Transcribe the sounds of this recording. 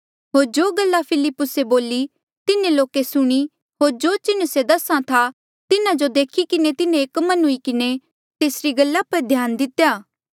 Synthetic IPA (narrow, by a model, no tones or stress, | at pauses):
ɦoːɾd͡ʒoːɡəlːapʰɪlɪpːʊseboːli | t̪ɪnẽloːkesʊɽ̃i | ɦoːɾd͡ʒoːt͡ʃɪnsed̪ɐsãt̪ʰa | t̪ɪnãd͡ʒod̪eːkʰikɪnet̪ɪnẽeːkmɐnɦʊikɪne | t̪eːsɾiɡɐlːapɐɾd̪ʱjaːnd̪ɪt̪ːjaː